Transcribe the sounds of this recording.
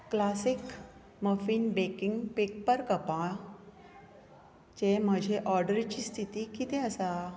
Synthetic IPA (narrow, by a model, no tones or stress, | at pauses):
klasik | məfiːnbekiŋɡpek̚pəɾkəpã | t͡ɕem̤əd͡ʑʱeʔɔɾɖəɾt͡ɕiːst̪ʰit̪ikit̪ẽəsa